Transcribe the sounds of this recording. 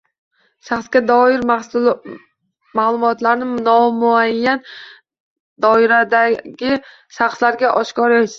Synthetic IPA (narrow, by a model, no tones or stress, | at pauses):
ʃaχsɡʲad̪ɒɪɾmas | maːlˠʊmɒt̪laɾnɪnɒmʊajːan | d̪ɒɪɾad̪aɡʲɪ | ʃaχslaɾɡʲaʔɒʃkɒɾʃ